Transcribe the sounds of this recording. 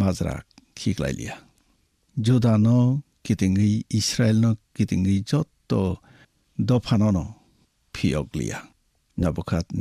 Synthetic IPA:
mazɾa̰k̚kʰikla̰jlḭja | d͡ʒudanɔkitiŋɡɯjisɾaelnɔkitiŋɡɾɯjd͡ʒɔtːɔ | dɔpʰanɔnɔ | pʰijɔ̰k̚lḭja̰ | nabɔkʰat̚

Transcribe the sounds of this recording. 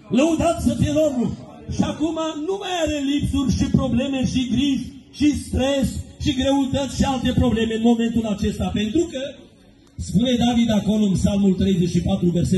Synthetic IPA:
ləud̪at̪ʲsəfijeloɾu | ʃiakumanumajaɾe̞lipsurʲʃipɾo̞ble̞me̞ʃiɡɾiʒʃist̪ɾe̞sʃiɡɾe̞ut̪ət̪sʲʃialt̪e̞pɾo̞ble̞me̞ɨnmo̞me̞nt̪ulat͡ʃe̞st̪ape̞nt̪ɾukə | spune̞d̪avid̪ako̞loɨnpsalmult̪ɾe̞jzet͡ʃʃipat̪ɾuverse

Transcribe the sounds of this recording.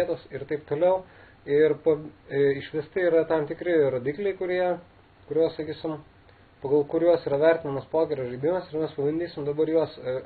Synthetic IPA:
iɛt̪oːsɪɾt̪ɐɪpt̪oːlʲɛʊ | ɪrpɐɪʃʋʲɪst̪ɐiːɾɐt̪ɐmt̪ʲɪkɾʲɪɾoːd̪ʲiklʲɛɪkʊɾʲiɛ | kʊɾʲuɔssɐkʲiːsʲɪm | pɐɡɐlˠkʊɾjuɔsiːɾɐʋʲɛɾʲt̪ʲɪnɐmɐspoːkʲɛɾʲoːʒɐɪd̪ʲɪmɐsɪɾmʲɛspɐbɐnʲd̪ʲiːsʲɪmd̪ɐbɐɾjuɔs

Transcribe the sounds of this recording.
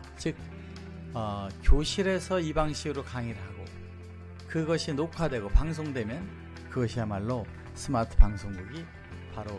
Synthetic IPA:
t͡ɕɯk̚ | ʌkjoɕʰiɾe̞sʰʌibaŋɕʰiɡɯɾokaŋiɾɯɭɦaɡo | kɯɡʌɕʰinokʰadwe̞ɡopaŋs̬ʰoŋdwe̞mjʌn | kɯɡʌɕʰiamaɭːo | sʰɯmatʰɯ̥paŋsʰoŋduɡi | paɾo

